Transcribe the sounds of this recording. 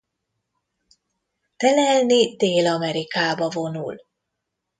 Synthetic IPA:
t̪ɛlɛlnid̪eːlɒmɛɾikaːbɒvo̞nul

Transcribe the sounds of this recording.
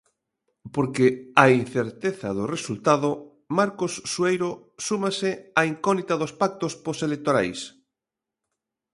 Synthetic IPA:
poɾkeain̟θeɾt̪eθaðoresult̪að̞o | maɾkosːuejɾo | sumasɪaiŋkɔnit̪aðospak̚t̪osposelek̚t̪oɾajs

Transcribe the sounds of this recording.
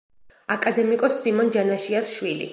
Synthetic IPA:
akʼad̪ɛmikʼɔsːimɔnd͡ʒanaʃiasʃwilḭ

